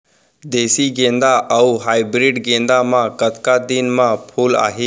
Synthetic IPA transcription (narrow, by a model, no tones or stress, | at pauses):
d̪eːsiɡẽːnd̪aʔɐuɦaːibɾɪɖɡẽːnd̪amãkət̪kad̪inmãpʰuːla̰ːɦeː